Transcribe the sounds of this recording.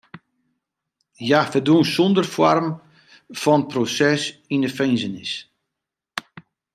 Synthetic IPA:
jafədunsɔndərfwɔrm | fɔnət̚prosɛsinəfejnzənɪs

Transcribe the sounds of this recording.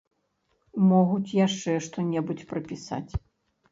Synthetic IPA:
mɔɣut͡sʲjaʂt͡ʂɛʂt̪ɔnʲɛbut͡sʲpɾɐpʲisa̰t͡sʲ

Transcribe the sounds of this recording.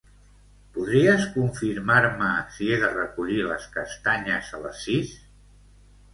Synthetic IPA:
puðɾiəskuɱfiɾmaɾməsieðərəkuʎiləskəst̪aɲəzələ̰sːis

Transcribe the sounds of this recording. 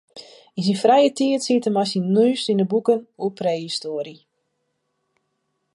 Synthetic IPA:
ins̬infrɛjətʰiətsitəmasinyːstindəbukənuəpreːhistoːɾi

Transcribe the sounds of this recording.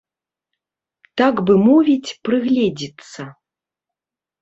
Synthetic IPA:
t̪aɡbɨmɔvʲit͡sʲpɾɨɣlʲɛd͡zʲit̪sːɐ

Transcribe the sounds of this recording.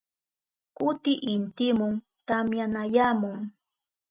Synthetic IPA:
kʊt̪ɪʔɪnt̪ɪmʊŋ | t̪amjanajaːmʊŋ

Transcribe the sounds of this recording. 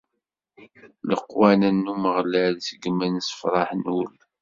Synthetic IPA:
ləqːwænænːuməʁlælsəɡmænsə̥fɾˤɑħnwəl

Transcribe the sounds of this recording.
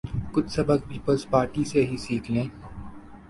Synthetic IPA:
kʊt͡ʃʰsɐbək̚piːpəlspaːɾʈiseɦisiːkʰlẽː

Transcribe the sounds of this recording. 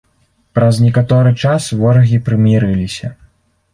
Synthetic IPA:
pɾɐznʲɛkat̪ɔɾɨt͡ʂasvɔɾɐɣʲipɾɨmʲiɾɨlʲisʲɐ

